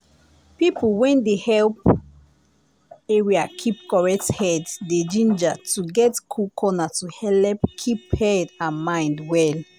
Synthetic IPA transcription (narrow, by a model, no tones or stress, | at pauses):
pipulwɛ̃ndehɛlp | eɹiakʰip̚kɔɹɛkthɛdded͡ʒĩnd͡ʒatuɡɛtkʰukʰɔnatuhɛlɛpkʰiphɛdãmãɪ̃ndwɛl